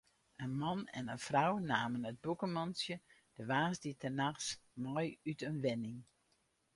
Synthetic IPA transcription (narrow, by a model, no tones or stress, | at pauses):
ənmɔnɛ̰nənfrawnaːmənət̚bukəmɑnsjəd̥əʋaːsditʰənaxsmɔjytənʋɪnɪŋ